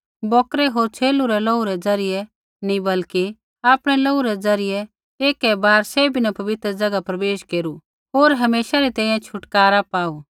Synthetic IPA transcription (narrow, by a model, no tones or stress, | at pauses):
bɔːkɾɛɦoːɾt͡ʃʰeːluɾɛloːuɾɛd͡zɐɾɪjɛ | nĩbɐlki | aːpɽ̃ɛloːuɾɛd͡zɐɾɪjɛ | eːkɛbaːɾsebʱinapɐʋɪt̪ɾəd͡ʒɐɡapɾɐbeːʃkeːɾu | ɦoːɾɦɐmeːsaɾit̪ɛ̃ːĩjãt͡ʃʰʊʈkaːɾapaːu